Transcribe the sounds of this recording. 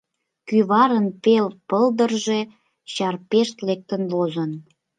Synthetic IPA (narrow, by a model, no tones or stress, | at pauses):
kyβɑɾənpelpəld̪ərʒe̽ | ɕɑrpeʃt̪lek̚t̪ənlozən